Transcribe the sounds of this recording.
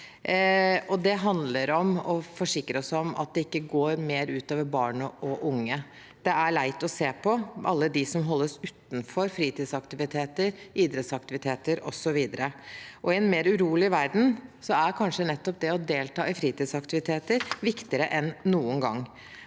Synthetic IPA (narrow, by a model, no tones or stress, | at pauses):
ɔd̪ɛɦɑnd̪ləɾɔmɔfɔʂɪkːɾəɔsɔmɑ̰t̪̚d̪ɛɪkːəɡoːɾmeːɾʉːt̪oːʋəɾbɑːɳəʔɔʔʊŋːə | d̪̥ɛæɭæɪt̪ɔseːpʰɔʔɑ̰lːəd̪ɪsɔmɦɔlːəsʉːt̪n̩fɔɾfɾiːt̪iːd̪sɑkt̪ɪʋɪt̪ʰeːt̪əɾʔiːd̪ɾɛt̪sɑk̚t̪ɪʋɪt̪ʰeːt̪əɾɔ̰sɔʋiːd̪əɾəʔɔɪɛnmeːɾʉɾuːlɪʋæɾd̪n̩sɔæɾkʰɑnʂənɛt̪ːɔp̚d̪ɛɔd̪eːlt̪ɑːɪfɾiːt̪iːd̪sɑkt̪ɪʋɪt̪ʰeːt̪əɾʋɪkt̪ɪəɾəʔɛnːuːənɡɑ̰ŋː